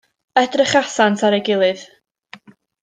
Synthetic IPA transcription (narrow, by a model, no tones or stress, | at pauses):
ədrɪχasantʰaɾɛjɡɪlˠɨð̥